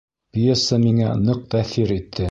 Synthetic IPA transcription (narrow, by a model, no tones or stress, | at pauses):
pʲijesəmiŋænɤq̚t̪æθiɾit̪ʰːɘ